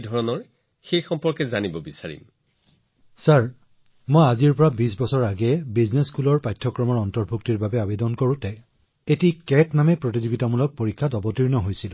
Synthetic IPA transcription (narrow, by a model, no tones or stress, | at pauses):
dʱɔɹɔnɔɹ | xejxɔmpɔɹkɛzanibɔbisaɹḭm | saɹ | mojaziɹpɔɹabis̬bɔsɔɹaɡɛbizneskulɔɹpajtʰːɔkɹɔmɔɹɔntɔɹbʱuk̚tiɹbabɛabedɔnkoɹũtɛ | etikɛtnamɛpɹot̬izuɡitamulɔk̚poɹikʰːatɔbɔtiɹnɔɦojsilʊ̃